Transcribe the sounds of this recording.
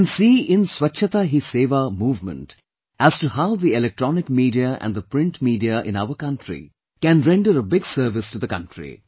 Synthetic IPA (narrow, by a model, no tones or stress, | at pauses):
nsiːɪ̃nswʌtːʃʰət̪aɦiseːʋamuːvmə̰̃nʈ | æz̥tuhaʊðiɛlɛk̚ʈɾɔnɪkmiːɖiaʔæ̰̃nd̪əpɾɪ̃nʈmiːɖiaʔɪ̰̃naʊəkʌ̃nʈʰɾḭ | kæ̃nɾɛ̃ɳɖəɾəbɪɡsəːɾʋɪsʈuðəkʌ̰̃nʈɹḭ